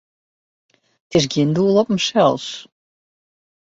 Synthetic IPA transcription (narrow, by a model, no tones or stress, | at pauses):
t̪eʒɡʲind̪uːlˠɔpm̩ʃɛlˠs